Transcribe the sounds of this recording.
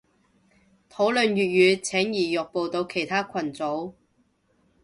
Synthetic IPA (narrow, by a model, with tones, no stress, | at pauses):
t̪ʰo˨˥wlɵ˨nɥyː˨t̚jyː˨˧t͡sʰɛː˨˥ŋjiː˨˩jʊ˨k̚po˨wt̪o˧wkʰe˨˩jt̪ʰaː˥kʰɐ˨˩nt͡so˨˥w